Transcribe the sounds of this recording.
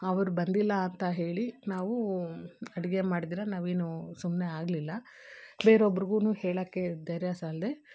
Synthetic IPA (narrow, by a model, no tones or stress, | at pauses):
ɐʋɐɾubɐnd̪ilːɐːnt̪ɐɦe̞ːɭinaːʋu | ɐɽiɡe̞maːɽid̪iːɾɐnaːʋeːnusumneaːɡlilːɐ | beːɾobɐɾiɡuːnuːheːɭɐːkːe̞d̪ɐjɾjasaːld̪e